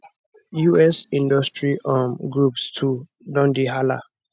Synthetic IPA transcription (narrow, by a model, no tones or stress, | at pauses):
juɛsĩndɔstɹiʔɔ̃nɡɹupstʰu | dɔ̃ndiɦala̰